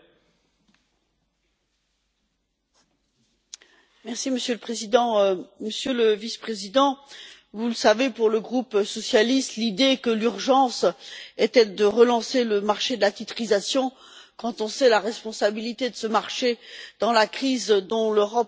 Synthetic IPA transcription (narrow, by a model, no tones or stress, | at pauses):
mɛʁsiməsjøləpχezid̪ɑ̃məsjøləvispχezid̪ɑ̃ | vuləsavepuʁləɡʁupsɔsjalist̪lid̪ekəlyʁʒɑ̃sɛt̪ɛd̪əʁəlɑ̃seləmaʁʃed̪əlat̪it̪χizasjɔ̃ | kɑ̃t̪ɔ̃sɛlaʁɛspɔ̃sabilit̪ed̪əsəmaʁʃed̪ɑ̃lakχizd̪ɔ̃løʁɔp